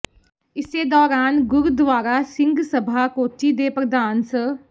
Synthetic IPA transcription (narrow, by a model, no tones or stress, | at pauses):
ɪsed̪ɔːɾaːnɡʊɾd̪ʋaːɾasɪ̃ŋɡsəbʱakoːʈid̪eːpɾəd̪aːnsə